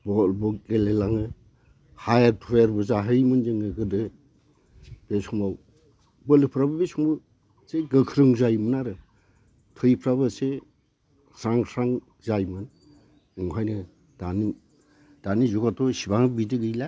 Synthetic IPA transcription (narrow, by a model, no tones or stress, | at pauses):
bɔlbɔkelelaŋɯ | hajaɾtʰɔjaɾbɯzaɦɯjmɯnzɯŋɯɡɯdɯ | b̥esɔŋmaw | bɯlɯpʰɾabɯbesʰɔŋbaw | seɡɯkʰɾɯŋzajmɯnaɾɯ | tʰɔjpʰɾabɯse | sɾaŋsʰaŋ | zajmɯn | ɯŋɦajnɯ | d̥ani | d̥anizukatɔsibaŋbidɯɡɯjla